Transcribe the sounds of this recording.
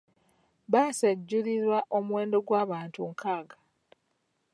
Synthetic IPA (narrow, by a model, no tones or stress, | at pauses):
βaːsaɟːuliɾwaʔo̞mwe̞ːndo̞ɡwaːβaːntuŋkʰaːɡa